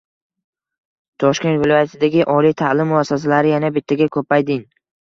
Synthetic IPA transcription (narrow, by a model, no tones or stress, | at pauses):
t̪ʰɒʃkʲe̞nt̪vɪlɒjat̪ʰɪd̪aɡʲɪʔɒlˠijt̪ʰalɪmːʊasːas̬alaɾɪjanabɪt̪ʰːaɡʲakʰɵpajd̪ɪŋ